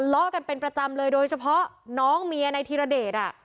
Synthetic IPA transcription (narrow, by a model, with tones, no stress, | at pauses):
lɔ˦˥ka˧npe˧npɾa˧t͡ɕa˧mlɤː˧jdoː˧jt͡ɕʰa˧pʰɔ˦˥ʔnɔː˦˥ŋmi˧ɐna˧jt̪ʰiː˧ɾa˧deː˨˩t̪̚ʔa˨˩